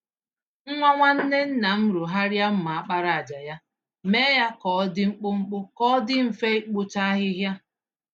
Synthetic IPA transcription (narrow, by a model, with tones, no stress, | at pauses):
ŋ̩˦ŋʷa˦ŋʷa˦n̩˦ne˦n̩˦na˨m̩˦ɾu˨ɦa˦ɾja˦m̩˦ma˨a˦k͡pa˦ɾa˨a˨d͡ʒa˨ja˦ | me˦ja˦kɔ˨˦dɪ˦ŋ͡m̩˦k͡pʊ˦ŋ͡m̩˦k͡pʊ˦kɔ˦dɪ˦m̩˨fe˦k͡pʊ˦ta˦ɦɪ˦ɦja˦